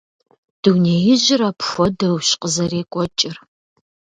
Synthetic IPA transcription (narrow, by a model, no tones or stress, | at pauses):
d̥uwnejɪʑɪɾapxʷɔdɐwɕqəzɐɾeːkʷʼɔt͡ʃʼɪr